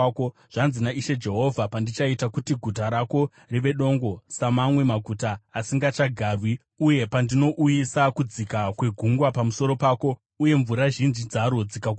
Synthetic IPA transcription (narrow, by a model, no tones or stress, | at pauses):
o | ʐ̥anzinaiʃe̞d͡ʒe̞ɦo̞vʱapandit͡ʃaitakutiɡʱutaɾako̞ | riʋe̞ɗo̞ŋɡo̞samamwe̞maɡʱutaːsiŋɡat͡ʃaɡʱaːrwi | uje̞pandino̞ʔujisakud͡zikakwe̞ɡʱuŋɡwapamuso̞ɾo̞paːko̞ | uje̞ɱvuɾaʒind͡ʒid͡zaɾo̞d͡zika